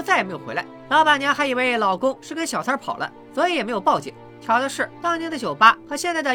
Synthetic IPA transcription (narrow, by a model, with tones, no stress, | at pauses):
t͡sa˥˩ɪ˨me˥ɪjxḛ˧˥la̰˧˦ɪlɑ˧˥ʊpa˨˩nja˧˥xa˧˥ɪi˨˩we˥˧ɪ˥˩lɑ˨˩ʊkʊ˥ŋʂɻ̩˥˩kə˥nɕjɑ˨˩t͡sʰə˥pʰɑ˨˩ʊlʔə̰˦ | swɔ˧˥i˧˥jɛ˨˩me˧˥ɪjo˨˩ʊpɑ˥˩ʊt͡ɕjɛ̰˨˩˦ŋ | t͡ɕʰjɑ˧˥ʊd̪ə˧ʂɻ̩˥˩t̪ɑ˥ŋnɛ˧˥nd̪ə˥˩ɕjo˨˩ʊpa˥xɤ˧˥ɕjɛ˥˧nt͡sa˥˩ɪd̪ə˧